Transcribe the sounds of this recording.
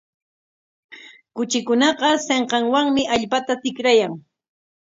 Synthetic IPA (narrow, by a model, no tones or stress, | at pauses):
kʊt͡ʃɪkʊnɑqɑseɴqɑŋwaŋmɪʔaʎpat̪at̪ɪkɾajaŋ